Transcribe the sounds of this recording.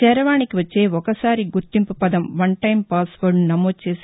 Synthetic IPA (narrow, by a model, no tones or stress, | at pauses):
ɛːɾɐʋaːɳikiʋɐt͡ʃːeːɔkɐsaːɾiɡuɾt̪ːimpupɐd̪ɐmʋɐɳʈɐjmpaːsʋɐɾɳunɐmoːd̪t͡ʃe̞ːs